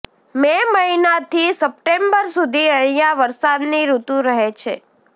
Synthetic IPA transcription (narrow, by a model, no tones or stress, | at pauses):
meməɦinat̪ʰisəp̚ʈembəɾsud̪ʱiə̃ɦijaʋəɾsad̪niɾut̪ũɾəɦet͡ʃʰe